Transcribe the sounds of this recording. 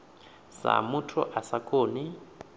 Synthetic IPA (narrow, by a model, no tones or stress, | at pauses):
sa̰mʊtʰɔ̰ʔasakʰʼoːnɪ